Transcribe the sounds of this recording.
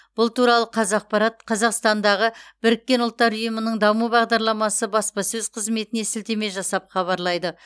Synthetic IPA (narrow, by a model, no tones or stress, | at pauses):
b̥ʊlˠt̪uɾɑlˠəqʰɑzɑq̚pɑɾɑt̪̚qʰɑzɑqst̪ɑnd̪ɑʁəb̥ɪɾɪk̚ʲːe̞nʊlˠt̪ːɑɾʊjəmənəɴd̪ɑmubɑʁd̪ɑɾlˠɑmɑsəbɑspɑsɵzqʰəzme̞t̪ɪne̞sɪlt̪e̞me̞ʒɑsɑpχɑβɑɾlˠɑjd̪ə